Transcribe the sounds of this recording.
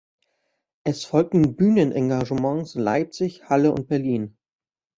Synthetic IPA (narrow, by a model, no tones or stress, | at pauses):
ʔɛsfɔlk̚tn̩byːnənʔãŋɡaʒəmɑ̃ŋsla̰ɪp̚t͡sɪçhaləʊ̰nt̚b̥ɛɐliːn